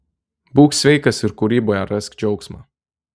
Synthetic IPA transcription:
buːksʲʋʲɛɪkɐsɪɾkuɾʲiːboːjɛɾɛskd͡ʒʲɛʊksma̰ː

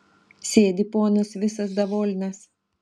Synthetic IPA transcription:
sʲeːd̪ʲipoːnɐsʋʲɪsɐs̬d̪ɐʋoːlʲnʲɛs

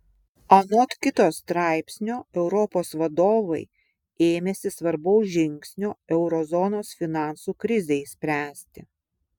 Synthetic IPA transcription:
ɐnot̪kʲɪt̪oːst̪ɾɑˑɪpʲsʲnʲoːɛʊɾɔpoːsʋɐd̪oːʋɐɪ | eːmʲɛsʲɪsʋɐɾbɐʊsʒʲɪŋʲksʲnʲoːɛʊɾɔzɔnoːsfʲɪnɑˑnsuːkɾʲɪzʲɛsʲpʲɾʲæːsʲt̪ʲɪ

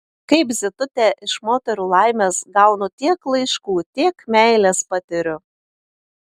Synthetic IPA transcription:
kɐɪpzʲɪt̪ʊt̪ʲɛʔɪʃmoːt̪ʲɛɾuːlˠɐɪmʲeːsɡɐʊnʊt̪ʲiɛklˠɐɪʃkuːt̪ʲiɛkmʲæˑɪlʲespɐt̪ʲɪɾʲʊ

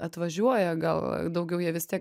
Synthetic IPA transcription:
ɐt̪ʋɐʒʲuɔjɛɡɐ̰lˠd̪ɐʊɡʲɛʊjiɛʋʲɪst̪ʲiɛk

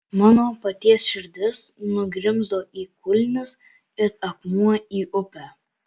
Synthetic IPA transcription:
mɑːnoːpɐt̪ʲiɛsʃʲɪɾʲd̪ʲɪsnʊɡɾʲɪmzd̪oːʔiːkʊlʲnʲɪs | ɪɾɐkmuɔiːʔʊpʲæː

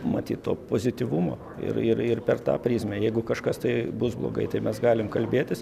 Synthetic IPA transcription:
mɐt̪ʲḭːt̪t̪o̰ːpoːzʲɪt̪ʲiʋumo̰ː | ɪ̰ɾɪɾɪrpʲɛrt̪ɑ̰ːpʲɾʲiːsʲmʲɛjɛɪɡʊkɐʃkɐst̪ɐɪbʊsblˠo̰ːɡɐ̰ɪt̪ɐɪmʲɛsɡɑːlʲɪmkɐlʲbʲeːt̪ʲɪs

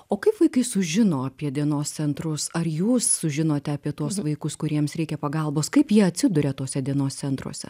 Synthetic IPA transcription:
oːkɐɪpʋɐɪkɐɪsʊʒʲɪnoːɐpʲiɛd̪ʲiɛnoːst̪sʲɛnt̪ɾʊsɐɾjuːssʊʒʲɪnoːt̪ʲɛɐpʲiɛt̪uɔsʋɐɪkʊskʊɾʲiɛmsɾʲɛɪkʲɛpɐɡɐlˠboːskɐɪpjiɛɐt̪ʲsʲɪd̪ʊɾʲɛt̪oːsʲɛd̪ʲiɛnoːst̪sʲɛnt̪ɾṵɔsʲɛ̰

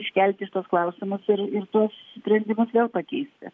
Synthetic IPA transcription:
ɪʃʲkʲɛlʲt̪ʲɪʃɪ̥t̪uɔsklˠɐʊsʲɪmʊsɪɾɪrt̪uɔssʊspʲɾʲɛnʲd̪ʲɪmʊsʋʲeːlˠpɐkʲɛɪsʲt̪ʲɪ̰

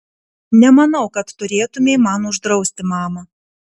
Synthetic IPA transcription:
nʲɛmɐnɐʊkɐt̪ːʊɾʲeːt̪ʊmʲemɐnʊʒd̪ɾɒʊsʲt̪ʲɪmɑːmɐ

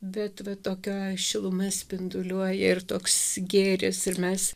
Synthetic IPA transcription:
bʲɛt̪ʋɐt̪oːkʲoʃʲɪlˠʊmɐsʲpʲɪnd̪ʊlʲuɔjɛɪrt̪oːksɡʲeːɾʲɪsɪɾmʲɛs

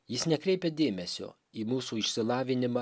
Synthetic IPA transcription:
jɪsnʲɛkɾʲɛɪpʲɛd̪ʲeːmʲɛsʲo̰ː | iːmuːsuːɪʃʲsʲɪlˠɑːʋʲɪnʲɪmɑ

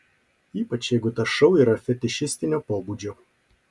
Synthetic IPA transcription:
iːpɐt͡ʃjɛɪɡʊt̪ɐʃɐʊiːɾɐfʲɛt̪ʲɪʃʲɪsʲt̪ʲɪnʲoːpoːbuːd͡ʒʲoː

